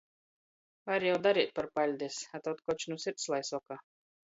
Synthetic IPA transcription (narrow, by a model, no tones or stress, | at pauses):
vaɾjawd̪aɾiːt̪̚paɾpalʲd̪ʲisat̪ɔt̪kɔt͡ʃnusiɾt̪slˠajsuɔkaː